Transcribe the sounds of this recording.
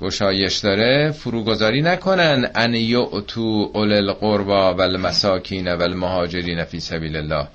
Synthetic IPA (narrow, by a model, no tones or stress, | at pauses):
ɡ̥oʃɒːje̞ʃd̪ɒːɾefuɾuːɡo̞zɒːɾiːnækʰo̞nænd̪ʔænjoʔt̪ʰuːʔolelɢoɾbɒːvælmæsɒːcʰiːnævælmohɒːd͡ʒe̞ɾiːnæfiːsæbiːlelːɒːh